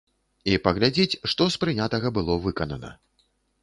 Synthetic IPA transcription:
ipɐɣlʲad͡zʲit͡sʲʂt̪ɔspɾɨnʲat̪ɐɣɐbɨlˠɔvɨkɐnɐnɐ̰

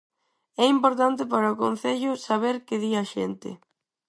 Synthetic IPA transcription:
ɛimpoɾt̪ant̪ɪp̬aɾɐʊkõn̟θɛʎʊsaβ̞eɾkɪðiaʃḛnt̪ɪ̰

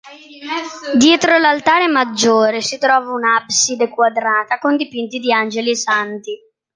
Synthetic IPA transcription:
d̪jɛːt̪ɾolalt̪aːɾemad͡ʒːoːɾesit̪ɾɔːvaunabsid̪ekwad̪ɾaːt̪akond̪ipint̪id̪iand͡ʒelisant̪i

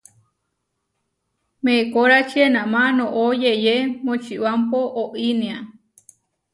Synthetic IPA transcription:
mekoɾat͡ʃʰienamanõʔojejemot͡ʃʰiʔwampoʔoʔinĩa

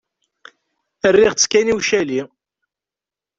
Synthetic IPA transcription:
ərːiʁt͡sːkæniwʃæli

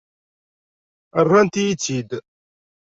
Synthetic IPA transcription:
ərˤːant̪ijit͡sːid̪

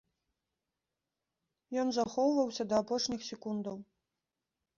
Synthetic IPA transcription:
jɔnzaxɔwvɐwsʲɐd̪ɐːpɔʂnʲixsʲɛkund̪ɐw

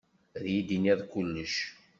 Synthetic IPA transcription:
ðjid̪inæðˤkulːəʃ

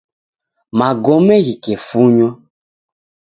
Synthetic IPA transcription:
maɡɔmɛɣikefuɲɔ

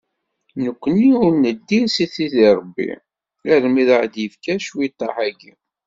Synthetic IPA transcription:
nəkʷːəniʊɾnəd̪ːisiθiðiɾˤbːḭ | æɾmiðəʕd̪jəfkæʃwit̪ˤːɑħæɡi

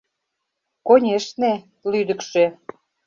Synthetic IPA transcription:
konʲeʃne | lyd̪ə̆kʃe

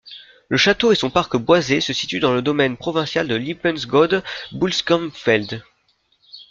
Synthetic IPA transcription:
ləʃat̪oesɔ̃paʁkəbwazesəsi̥t̪yd̪ɑ̃ləd̪ɔmɛnpχɔvɛ̃sjald̪əlipɛnsɡɔd̪bulskɔmfɛld̪

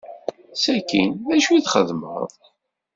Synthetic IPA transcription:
sækḭnæʃwiðχəðmə̰ðˤ

